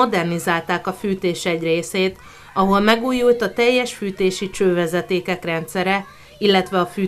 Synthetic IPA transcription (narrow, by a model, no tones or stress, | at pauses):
o̞d̪ɛrnizaːlt̪aːkɒfyːt̪eːʃɛɟreːseːt̪ | ɒɦo̞lmɛɡuːjult̪ɒt̪ɛjːɛʃfyːt̪eːʃit͡ʃøːvɛzɛt̪eːkɛkrɛnt̪sɛɾɛ | ilːɛt̪ʋɛɒfyː